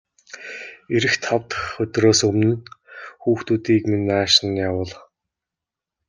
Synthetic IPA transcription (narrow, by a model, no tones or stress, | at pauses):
eɾɘ̆xt̪ʰɔwt̪xɵt̪ʲroːsɵmnɘ̆nxuːxt̪uːt̪iːkminaːʃɪ̆njawəːɮ